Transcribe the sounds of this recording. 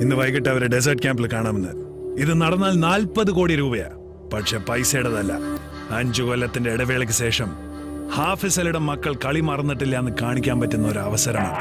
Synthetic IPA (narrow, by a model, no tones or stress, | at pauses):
inːɨʋɐjkiʈ̬ːɐɐʋɐɾeɖes̬ɐrʈ̚kʲaːmbilkaːɳaːmenːɨ | iðɨnɐɽɐnːaːlnaːlpɐðɨko̞ːɽiɾuːbɐja̰ | pɐʈʂe̞ːpɐjseːɽɐðɐlːɐ̰ | ɐɲd͡ʑukolːɐt̪ːinde̞iɽɐʋeːɭɐk̬ʲːɨɕe̞ːʂɐm | haːfisɐliɽɐmːɐkːɐɭkɐɭimɐrɐnːiʈːilːɐenːɨkaːɳikʲːaːmpɐtːunːɐoɾuɐʋɐsɐɾɐma̰ːɳɨ